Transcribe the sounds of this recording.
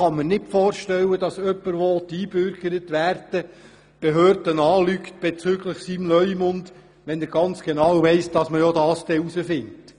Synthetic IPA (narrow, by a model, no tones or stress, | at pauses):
ɑmːənɪtfɔːɾʃtɛwːədɑsœpːəɾʋot̪iːbʏɾɡ̥əɾətʋærd̥ə | b̥eɦøːɾdənɑːlykt̚b̥et͡syːɡləχsimlœʏmʊnd | ʋɛnəɾɡ̥ɑnt͡sɡ̥enɑwʋɛɪsd̥ɑsməjɔdɑːsd̥ɛusəfɪnt